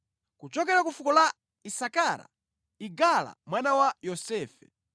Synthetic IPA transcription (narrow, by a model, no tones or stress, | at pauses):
kut͡ʃɔkɛɾakufukɔla | isakaɾa̰ | iɡala̰mwanawajɔsɛːfɛ